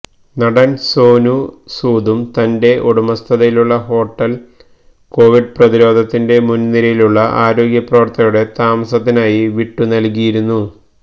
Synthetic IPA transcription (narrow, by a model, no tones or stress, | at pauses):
nɐɽɐnso̞ːnusuːd̪umt̪ɐnde̞ʔoɽumɐst̪ʰɐðɐjiluɭːɐɦo̞ːʈːɐl | ko̞ːʋiɖprɐðiɾo̞ːd̪ʱɐt̪ːinde̞munːiɾɐjiluɭːɐʔaːɾo̞ːɡjɐprɐʋɐrt̪ːɐjuɽe̞t̪aːmɐsɐt̪ːinaːjiʋiʈːunɐlkijiɾunːu